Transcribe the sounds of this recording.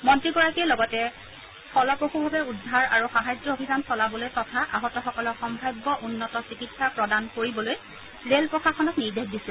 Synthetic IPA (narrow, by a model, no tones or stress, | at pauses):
mɔntɹiɡɔɹakiɛlɔɡɔtɛ | fɔlɔpɹoxubʱabɛudʱaɹa̰ɹuxaɦajzɔobʱidansɔlabɔlojtɔtʰaʔa̰ɦɔtɔxɔkɔlɔxɔmbʱajbːɔʔunːɔtɔsikitsapɹɔdankoɹibɔloj | lelpɹɔxaxɔnɔtniɹdekdisɛ̃